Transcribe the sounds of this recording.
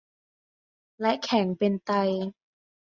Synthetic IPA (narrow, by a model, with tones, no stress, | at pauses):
lɛ˦˥ʔkʰɛ˨˩˦ŋpe˧nt̪a˧j